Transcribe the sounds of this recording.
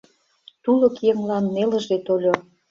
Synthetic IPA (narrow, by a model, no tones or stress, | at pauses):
t̪ulŏkjeŋlɑnːelə̆ʒet̪olʲo